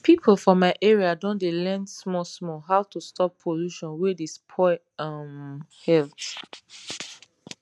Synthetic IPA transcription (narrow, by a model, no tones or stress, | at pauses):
pʰipʰolfɔ̃maɪʔɛɹiadõndelɛ̃ndsmɔsmɔɦaʊtʰustʰɔpʰːoluʃɔ̃nwedispʰɔɪ | amhɛlt